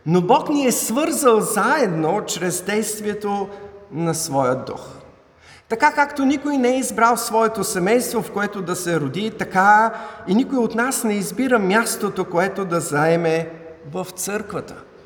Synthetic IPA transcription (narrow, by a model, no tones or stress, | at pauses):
nobɔkniɛsvɤɾzəlˠzaɛd̪not͡ʃɾɛzd̪ɛjst̪viɛt̪onɐsvɔjəd̪ṵx | t̪ɐkakakt̪onikojnɛɛizbɾalˠsvɔɛt̪osɛmɛjst̪vofkoɛt̪od̪ɐsɛɾod̪it̪ɐkainikojot̪nasnɛizbiɾəmʲjast̪ot̪okoɛt̪od̪ɐzɐɛmɛ | vəft̪sɤɾkvət̪ə̥